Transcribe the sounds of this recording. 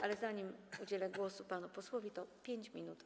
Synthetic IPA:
alɛzaɲimud͡ʑelɛɡwɔsupanupɔswɔvʲit̪ɔpʲjeɲt͡ɕmʲinut̪

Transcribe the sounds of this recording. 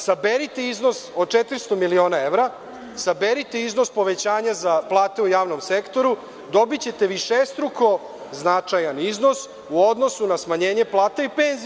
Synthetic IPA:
sabeɾit̪eizno̞sod̪̚t͡ʃet̪ɾist̪o̞milio̞ːnaeʋɾa | sabeɾit̪eizno̞spo̞ʋet͡ɕaːɲazaplˠaːt̪e̞ujaːʋno̞msekt̪o̞ɾu | d̪o̞bit͡ɕe̞t̪e̞ʋiʃest̪ɾuko̞ | znat͡ʃajanizno̞s | uod̪no̞sunasmaɲe̞ːɲe̞plˠaːt̪aipeːnz

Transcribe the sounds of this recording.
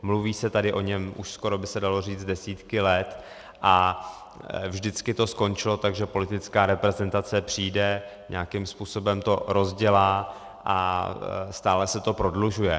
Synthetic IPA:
mluviːsɛt̪adɪʔo̞ɲɛmʔṵʃsko̞ɾo̞bɪsɛdalo̞riːt͡sdɛsiːt̪kɪlɛt̪ | ʔa | vʒdɪt͡skɪt̪o̞sko̞nt͡ʃɪlo̞t̪aɡʒɛpo̞lɪt̪ɪt͡skaːɾɛpɾɛzɛnt̪at͡sɛpr̝̥iːdɛɲ̰akɪmspuːso̞bɛmt̪o̞ɾo̞zɟɛlaː | ʔa | st̪aːlɛsɛt̪o̞pɾo̞dluʒujɛ

